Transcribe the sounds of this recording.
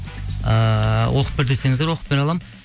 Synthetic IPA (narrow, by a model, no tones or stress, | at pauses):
əwʔo̞qə̥p̚bɪɾd̪ese̞ŋɪzd̪eɾwo̞qəpe̞nɑlˠɑm